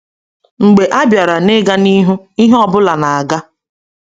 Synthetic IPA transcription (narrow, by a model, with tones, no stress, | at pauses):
ŋ͡m̩˨ɡ͡be˨ʔa˦bja˨ɾa˨ne˦ɡa˦ni˦ɦu˦ | i˦ɦɔ˦bʊ˦la˨na˨a˨ɡa˦